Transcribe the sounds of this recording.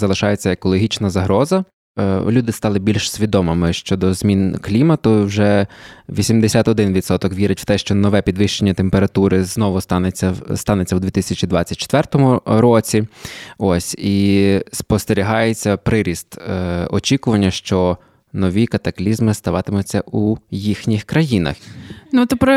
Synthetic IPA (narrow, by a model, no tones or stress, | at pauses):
zɐlˠɪʃɑjet͡sʲːɐekɔlˠɔɦʲit͡ʃnɐzɐɦɾɔzɐ | lʲud̪ɪst̪ɑlˠɪbʲilʲʃsʲʋʲid̪ɔmɪmɪʃt͡ʃɔd̪ɔzmʲinklʲimɐt̪ʊwʒɛʋʲisʲimd̪esʲat̪ɔd̪ɪnʋʲid̪sɔt̪ɔkʋʲiɾɪtʲw̥t̪ɛʃt͡ʃɔnɔʋɛpʲid̪ʋɪʃt͡ʃenʲːɐt̪empeɾɐt̪uɾɪznɔʋʊst̪ɑnet͡sʲːɐst̪ɑnet͡sʲːɐwd̪ʋʲit̪ɪsʲɐt͡ʃid̪ʋɑt͡sʲːɐt̚ʲt͡ʃːe̥t̪ʋɛrt̪ɔmʊɾɔt͡sʲiɔsʲispɔst̪eɾʲiɦɑjet͡sʲːɐpɾɪɾʲist̪ɔt͡ʃʲikʊʋɐnʲːɐʃt͡ʃɔ | nɔʋʲikɐt̪ɐklʲizmɪst̪ɐʋɑt̪ɪmʊt͡sʲːɐʔujixnʲixkɾɐjinɐ̰xnut̪ɔpɾɔ